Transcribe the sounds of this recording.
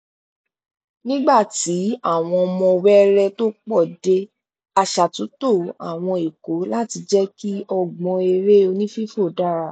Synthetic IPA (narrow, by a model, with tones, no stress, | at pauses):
nĩ˦ɡ͡ba˦˨ti˨˦a˦˨w̃ɔ̃˧ɔ˧mɔ̃˧wɛ˦ɾɛ˦to˦k͡pɔ˦˨de˧˦ | a˧ʃa˨tũ˨˦to˦˨a̰˨w̃ɔ̃˧i˨ko˨˦la˦ti˧d͡ʒɛ˦ki˦ɔ˧ɡ͡bɔ̃˧e˧ɾe˦o˧nĩ˦fi˦fo˦˨da˦ɾa˦˨